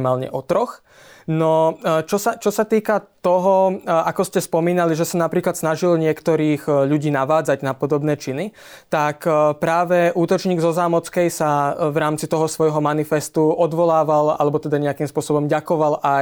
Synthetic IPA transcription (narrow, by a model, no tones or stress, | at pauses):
maːlɲɛ̰ʔɔt̪ɾɔx | nɔt͡ʃɔsat͡ʃɔsat̪iːkat̪ɔɦɔakɔscɛspɔmiːnaliʒɛsanapɾiːklat̪snaʒilɲɪɛkt̪ɔɾiːɣʎuɟiːnaʋaːd͡zaɟnapɔd̪ɔbnɛːt͡ʃini | t̪akpɾaːʋɛʔuːt̪ɔt͡ʃɲiːɡzɔzaːmɔt͡skɛjsaʋɾaːmt͡sit̪ɔɦɔsʋɔjɦɔmanifɛst̪uɔd̪ʋɔlaːʋala̰lɛbɔt̪ɛd̪aɲɛakimspʊɔsɔbɔmɟakɔʋalʔa